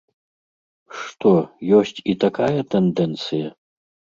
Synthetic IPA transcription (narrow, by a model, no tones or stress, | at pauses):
ʂt̪ɔjɔsʲt͡sʲit̪akajɐt̪ɛnd̪ɛnt̪sɨjɐ